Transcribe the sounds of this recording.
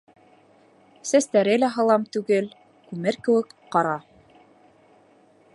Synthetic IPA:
sæst̪æɾɘlæɦɤ̆lˠɑmt̪ʉɡɘl | kʉmɘɾkɘ̆wɘ̆kqɑɾɑ

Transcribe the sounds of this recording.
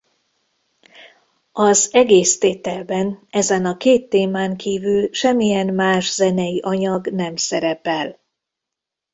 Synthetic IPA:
ɒzɛɡeːst̪eːt̪ɛlbɛnɛzɛnɒkeːt̪ːeːmaːŋkʰiːvylʃɛmːijɛnmaːʒzɛnɛjiʔɒɲɒɡnɛmsɛɾɛpɛl

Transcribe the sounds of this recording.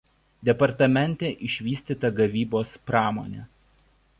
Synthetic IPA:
d̪ʲɛpɐɾt̪ɐmʲɛnʲt̪ʲeːʔɪʃʲʋʲiːsʲt̪ʲiːt̪ɐɡɐʋʲiːboːspɾɑːmo̰ːnʲḛː

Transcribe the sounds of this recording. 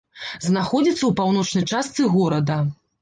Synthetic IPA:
znaxɔd͡zʲit̪sːɐwpawnɔt͡ʂnɐjt͡ʂast̪sɨɣɔɾɐd̪ɐ

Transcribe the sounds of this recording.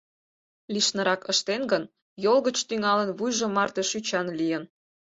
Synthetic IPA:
liʃnə̆ɾɑkəʃt̪enɡən | jolɣət͡ɕt̪yŋɑlənβujʒomɑrt̪eʃyt͡ɕɑnlijən

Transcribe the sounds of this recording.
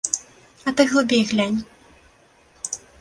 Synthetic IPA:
ɐt̪ɨɣlˠɨbʲejɣlʲanʲ

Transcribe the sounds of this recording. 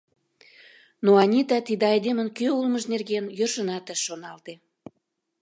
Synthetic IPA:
noɑnʲit̪ɑt̪id̪eɑjd̪emə̆nkøulməʒnerɣenjørʃənɑt̪əʃːonɑlt̪e

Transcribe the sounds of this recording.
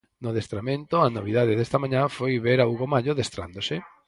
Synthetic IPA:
noðest̪ɾamẽnt̪ʊɐnoβiðaðeðɛst̪ɐmãɲãfojβeɾauɣomaʎoðest̪ɾa̰nd̪osɪ

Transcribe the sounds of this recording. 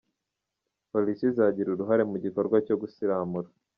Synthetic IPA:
po̞lisizaɟiɾuɾuɦaɾe̞muɟiko̞ɾɡwaco̞ɡusiɾaːmuɾa

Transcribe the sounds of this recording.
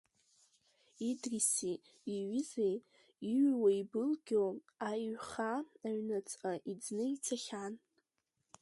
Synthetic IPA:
idrisiː | ɥɪzej | iɥwaibɨlɡʲo | ajχaːɥnat͡sʼaʔid͡znɨit͡sʰaχʲan

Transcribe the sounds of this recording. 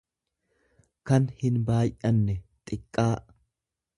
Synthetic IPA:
kɐnhɪnbaːjʔɐnːɛt̪ʼɪkʼːaː

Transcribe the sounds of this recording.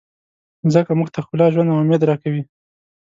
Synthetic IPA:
zəkamʊɡt̪ʰaxʊlɑʒwand̪awʊmed̪ɾɑkawi

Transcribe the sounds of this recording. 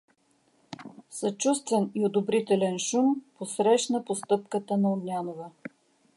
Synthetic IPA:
sɐt͡ʃust̪vɛniod̪obɾit̪ɛlɛnʃumposɾɛʃnəpost̪ɤp̚kət̪ənɐod̪nʲanovə

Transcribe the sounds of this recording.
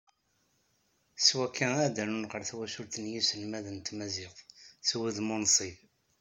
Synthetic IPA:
swækʰːææd̪ænunʁəɾθwæʃʊɾθənjisəlmæðənt̪mæziqswəðmʊnsˤib

